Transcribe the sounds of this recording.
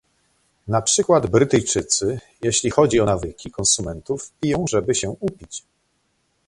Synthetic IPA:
napʂɘkwad̪bɾɘt̪ɘjt͡ʂɘt̪sɘ | jeɕlʲixɔd͡ʑiɔnavɘkʲikɔnsumɛnt̪ufpʲijɔ̃w̃ʐɛbɘɕɛupʲit͡ɕ

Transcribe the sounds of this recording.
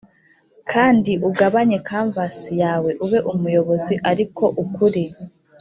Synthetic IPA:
kʰaːndiʔuɡaβaɲe̞kaːɱvasijaːwe̞ʔuβe̞ʔumujo̞βo̞ziʔaɾikʰo̞ʔukuɾi

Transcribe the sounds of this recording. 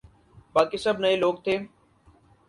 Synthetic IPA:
baːkisɐbnəeloːɡ̚t̪ʰeː

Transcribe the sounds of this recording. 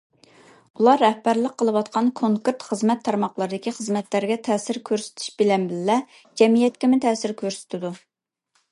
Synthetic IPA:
ulˠɑɾɛhbæɾləqqʰːəlˠəwɑt̪qʰɑnkʰoŋkeɾt̪χəzmɛt̪ʰːɑɾmɑqlˠəɾɨd̪ɪkʲiχəzmɛt̪læɾɡʲɛt̪ʰɛːsɪɾkʲʰøɾsɪ̥t̪ʰy̥ʃbɪlɛnbɪllɛ | d͡ʒɛmijɛt̪̚kʲɛmt̪ʰɛːsɪɾkʲʰøɾsɪ̥t̪ʰɪd̪u

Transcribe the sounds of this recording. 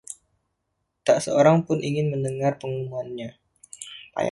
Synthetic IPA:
t̪aʔsəoɾaŋpʊnʔiŋɪnməndəŋarpəŋumuanɲa | pa̰j

